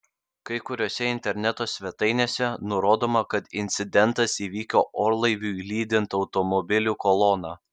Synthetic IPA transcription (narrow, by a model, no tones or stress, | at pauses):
kɐɪkʊɾʲoːsʲɛɪnʲt̪ʲɛɾʲnʲɛt̪oːsʲʋʲɛt̪ɐɪnʲeːsʲɛnʊɾoːd̪oːmɐkɐt̪ɪnʲt̪sʲɪd̪ʲɛnt̪ɐsiːʋʲiːkʲoːʔoːɾlˠɐɪʋʲuːilʲiːd̪ʲɪnt̪ɒʊt̪ɔmɔbʲɪlʲuːkɔlˠɔnɑː